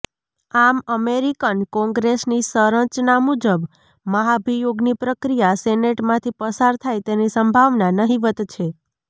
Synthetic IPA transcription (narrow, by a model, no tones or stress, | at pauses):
aməmeɾikənkɔ̃ŋɡɾesnisəɾəɲt͡ʃnamud͡ʒəb | məɦabʱijoɡnipɾəkɾijaseneʈmãt̪ʰipəsaɾt̪ʰajt̪enisəmbʱaʋnanəɦiʋət̪t͡ʃʰe